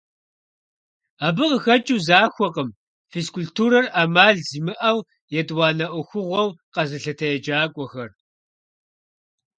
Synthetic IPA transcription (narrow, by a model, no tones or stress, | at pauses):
aːbɨqəxɐt͡ʃʼuzaːxʷɔqəm | feːskʰuɬtʰuːɾɐraːmaːɮziːmɨʔɐw | jɛtʼwɑːnɐʔʷʊxʷʊʁʷɔwqɐzɨɬɐtʰɐjɛd͡ʒaːkʷʼɔxɐr